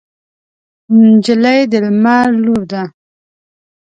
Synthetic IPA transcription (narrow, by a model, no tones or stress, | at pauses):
nd͡ʒəlajd̪əlmaɾluɾd̪a